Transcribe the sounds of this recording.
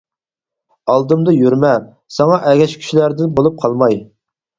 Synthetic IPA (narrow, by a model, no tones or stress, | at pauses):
ɑlˠd̪ɨmd̪ɨjyɾmɛ | sɑŋɑʔɛɡʲɛʃkʲʰy̥ʃilæɾd̪ɪnbolˠup̚qʰɑlˠmɑj